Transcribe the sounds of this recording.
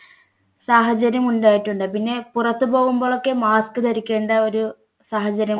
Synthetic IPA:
saːɦɐd͡ʑɐɾjɐmuɳɖaːjiʈːuɳɖɨpinːe̞purɐt̪ːɨpo̞ːɣumboːɭo̞kːe̞maːskɨt̪ɐɾikʲːe̞ːɳɖɐo̞ɾu | saːɦɐd͡ʑɐɾjɐm

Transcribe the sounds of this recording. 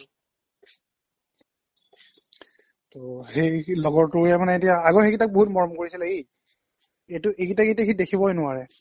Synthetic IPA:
toxejlɔɡɔɹtʊɹjɛmanɛetijaːɡɔɹxekitak̚boɦutmɔɹɔmkoɹisilɛej | etʊʔekitaketakʰidekʰibɔɦɔjnʊwaɹɛ

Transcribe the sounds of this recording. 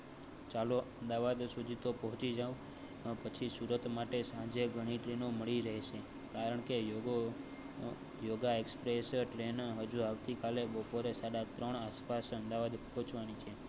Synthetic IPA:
t͡ʃaloəmd̪aʋad̪sud̪ʱit̪opɔɦʊ̃t͡ʃid͡ʒaʋũ | pət͡ʃʰisuɾət̪maʈesãd͡ʒeɡʱəɽ̃iʈɾenoməɭiɾəɦeʃe | kaɾəɳkeo | joɡaekspɾesʈɾenɦəd͡ʒuaʋt̪ikalebəpoɾesaɽat̪ɾəɳ̃aspasəmd̪aʋad̪pɔɦʊ̃t͡ʃʋanit͡ʃʰe

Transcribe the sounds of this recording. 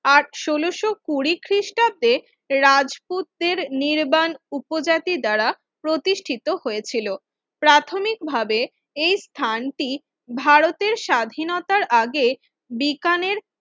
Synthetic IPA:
aɾʃoloʃokuɾikʰɾiʃʈad̪e | ɾad͡ʑput̪̚d̪eɾniɾbanupod͡ʑat̪id̪aɾa | pɾot̪iʃʈʰit̪oɦojet͡ɕʰilo | pɾat̪ʰomik̚bʱabe | ejst̪ʰanʈi | bʱaɾot̪eɾʃad̪ʱinot̪aɾʔaɡe | bikaneɾ

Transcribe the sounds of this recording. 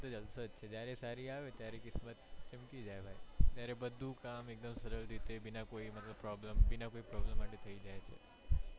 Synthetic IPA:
t̪od͡ʒəlsot͡ʃʰed͡ʒjaɾesaɾiaʋet̪jaɾekɪsmət̪t͡ʃəmkid͡ʒajbʱajt̪jaɾebəd̪ʱũkamek̚d̪əmsəɾəlɾit̪ebinakoimət̪ləbpːɾɔbləmbinakoipɾɔblemːaʈet̪ʰəid͡ʒajt͡ʃʰḛ

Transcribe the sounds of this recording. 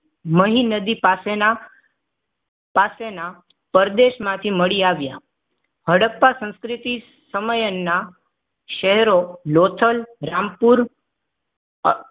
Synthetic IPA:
məɦinəd̪ipasena | pasena | pəɾd̪eʃmãt̪ʰiməɭiaʋja | ɦəɽəpːasə̃ñskɾɪt̪i | səməjənːa | ʃəɦɾolot̪ʰəlɾãmpuɾ

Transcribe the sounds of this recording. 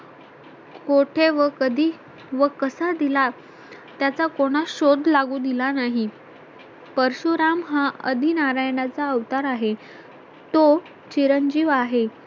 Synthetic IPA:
koʈʰeʋəkəd̪ʱiː | ʋəkəsad̪ila | t̪jat͡sakoɽ̃aɕod̪ʱlaɡuːd̪ilanaɦi | pəɾɕuɾamɦaə̰d̪ʱinaɾajnat͡saəʋt̪aɾaɦe | t̪o | t͡ɕiɾənd͡ʑiːʋaɦe

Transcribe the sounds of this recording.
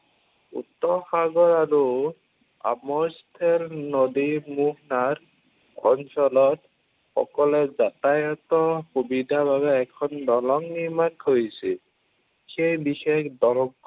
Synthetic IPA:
ṵtːɔxaɡɔɹaɹu | a̰mɔstʰɛlnodimuɦnaɹ | ɡʱɔnsɔlɔt̚ | xɔ̰kɔlɛzatajɔtɔxobidʱabaβɛːkʰɔndɔlɔŋniɹmakɦojsil | xejbixekdɔlɔɡ

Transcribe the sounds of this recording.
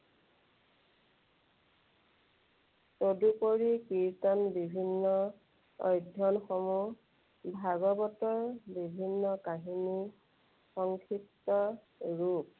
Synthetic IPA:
sodupoɹikiɹtɔnbibʱinːɔ | ɔ̰jdʱɔnxɔmu | bʱaɡɔbɔtɔɹbibʱinːɔkaɦini | xɔŋkʰiktɔ | ɹup̚

